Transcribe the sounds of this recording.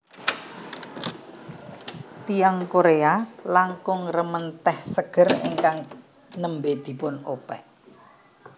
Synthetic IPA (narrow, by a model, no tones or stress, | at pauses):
t̪ijaŋkoɾealaŋkʊŋrəmənt̪ɛhsəɡ̥ə̤rḛŋkaŋ | nəmbed̪̥i̤pʊnopɛ̰ʔ